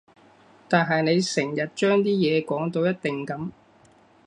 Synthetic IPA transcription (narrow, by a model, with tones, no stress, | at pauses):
t̪aː˨nɦɐ˨jne˨˧jsɛ˨˩ŋjɐ˨t̚t͡ʃœː˥ŋt̪iː˥jɛː˨˧kɔː˨˥ŋt̪o˧wjɐ˥t̚t̪ɪ˨˩ŋkɐ˨˥m